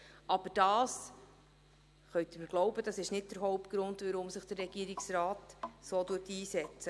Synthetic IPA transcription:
ʔɑb̥əɾd̥ɑːs | χœɥt̪əməɾɡ̥lɔwbəd̥ɑsɪʃnɪt̚d̥əɾɦɔʊp̚t̚ɡ̥ɾʊnd̪ʋəɾʊmsɪχd̥əɾːɛɡ̥iːɾiksɾɑːtsoːduːtiːsɛt͡sə

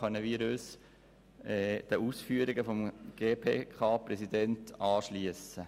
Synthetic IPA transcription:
œnːəʋiːɾøs | ɛːd̥əuːsfyːəɾɪɡəfɔmɡ̥eːpʰeːkʰɑːpɾɛsidɛntɑːʃliəsə

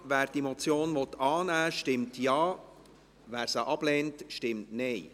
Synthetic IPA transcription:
ʋæːɾd̥imɔt͡sjoːnʋɔt̪ɑːnæːʃtɪmtjɑː | ʋæːɾsəʔɑb̥leːntʃtɪmtneɪ

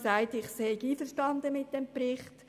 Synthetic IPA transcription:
saɪtɪχseːkiːfəʃtɑndəmɪt̚d̥ɛmprɪχt

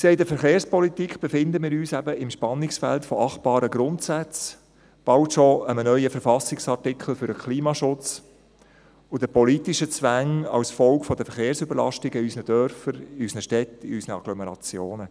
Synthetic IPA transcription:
kseɪdəfəɾχeːɾspɔlit̪ikχb̥efɪnd̪əmɪːɾyːsæbəɪmʃpɑnːɪksfæ̰ltfɔɑχt̚b̥ɑːɾəɡɾʊntsæt͡s | b̥ɑltʃɔəmənœʏəfəɾfɑsɪksɑrtɪkʰχl̩fʏɾdəkʰliːmɑʃʊt͡s | ʊdəpɔlitiʃət͡sʋæŋɑ̰wsfɔlkfɔdəfəɾχeːɾsʏbəɾlɑ̰ʃtɪɡəysnədœɾfəɾɪysnəʃtɛtɪysnəɑ̰ɡ̥lɔmɛɾɑ̰t͡sjoːnə

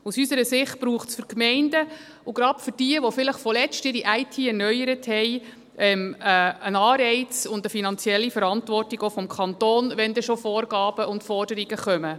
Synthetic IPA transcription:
usysəɾəsɪχt̚b̥ɾuːχtsfʏɾkmɛɪndə | ʊɡɾɑpfʏɾd̥iəʋofɪləχfɔlɛt͡stɪɾiʔæɪtʰiːɛɾnœjəɾəthɛɪ | ʔɛməənɑːɾɛɪt͡sʊndəfinɑnt͡siɛlːifəɾɑntvɔrtiɡofɔmkʰɑntoːnʋɛndɛʃofɔːrɡɑːbəʔʊndfɔrd̥əɾiɡəχœmə

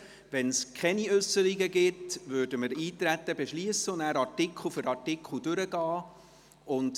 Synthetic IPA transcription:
ʋɛnskʰχɛniʏsːəɾiɡəɡɪtvøːdəməɾiːt̪ɾæt̪ːəbeʃliəsəʊndæːɾɑɾtɪkʰχl̩ˠfʏɾɑɹtɪkʰχl̩ˠdʏɾəɡɑː | ʊnd

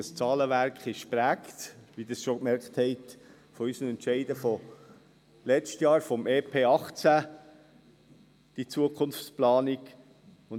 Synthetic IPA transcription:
əst͡sɑːləʋæɾkχɪʃpɾæːktʋid̥ɑsʃokmɛɾkχthɛɪt | fɔysəmɛntʃɛɪdəfɔ | lɛt͡ʃtjɑːɾfɔmʔeːpʰeːɑχt͡sæ | d̥it͡suəkχʊnft͡splɑːnik | ʊn

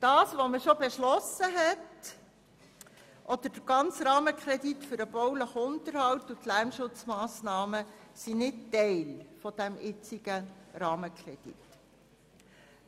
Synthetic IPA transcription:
d̥ɑːsʋoməʃɔbeʃlɔsəɦɛt | ʔɔd̪əɾd̥əɡ̥ɑnt͡sɾɑːməkʰɾɛditfʏɾəb̥ɔwləχʊntəɾhɑwtːutlæɾmʃʊt͡smɑːsnɑːməsinɪttɛɪlfɔd̥æmʔɪt͡siɡ̥əɾɑːməkʰɾɛd̥ḭt

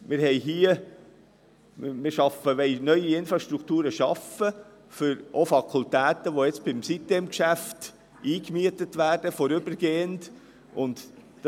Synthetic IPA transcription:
mɪɾhɛɪɦiːə | mɪɾʃɑfəʋɛɪnœʏiɪnfɾɑʃtɾuktuːɾəʃɑfə | fʏɾʔofɑkʰʊlt̪æːtəʋoɛt͡s̚b̥ɪmsit̪ːeːmkʃæft | ʔiːkmiətətʋæːɾd̥əfɔɾʏbəɾɡ̥eːənd | ʊnd̥

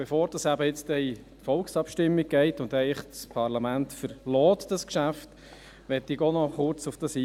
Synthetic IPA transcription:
b̥efoːɾd̥ɑsæbəɪt͡stɛi | tfɔlksɑpʃtɪmːiɡ̚ɡɛɪt̪ʊnd̪ɛɪχt͡spʰɑɾlɑmænt̪fəɾlɔːt̪d̥ɑskʃæft | ʋɛtiɡɔnɔχʊɾt͡sʊfd̥ɑsi

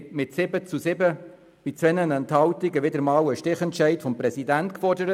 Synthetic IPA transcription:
mɪtsɪbət͡susɪbə | b̥ɪt͡sʋɛnənɛnthɑwt̪iɡəʋɪdəɾmɑːwəʃtɪχɛnt͡ʃɛɪtfɔmpɾɛsidæntkfɔrdəɾə

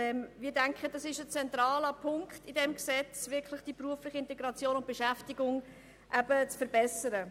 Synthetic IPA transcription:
ɛmmiːdæŋkχəd̥ɑsɪʃət͡sɛntɾɑːləpʰʊŋkχtɪdɛmksɛt͡sʋɪɾkʰlɪχd̥ipruəflɪχəɪntɛɡɾɑt͡sjoːnʊnt̚b̥eʃæftiɡʊŋ | ʔæb̥ət͡sfəɾbɛsəɾə

